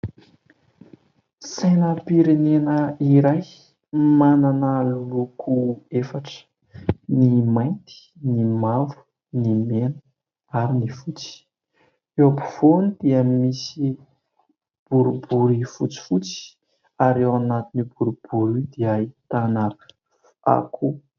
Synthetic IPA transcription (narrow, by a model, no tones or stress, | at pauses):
sajnəpiɾinenəiɾaj | mananəlulukʰuefaʈ͡ʂ | nimajnt̪i̥ | nimavu̥ | nimenə | aɾinifut͡si̥ | ewapu̥vonid̪̥iəmisi | b̥uɾubuɾifut͡si̥fut͡si̥ | aɾewanat̪inibuɾub̥uɾid̪iait̪anaɾ | a̰kʰu